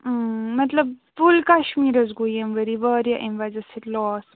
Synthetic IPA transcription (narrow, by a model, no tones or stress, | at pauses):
mɐt̪lɐb̚fulkɐʃmiːɾɐzɡujɐmʋɐɾiʋɐːɾjɐʔimʋɐzɐsiʈlɔːs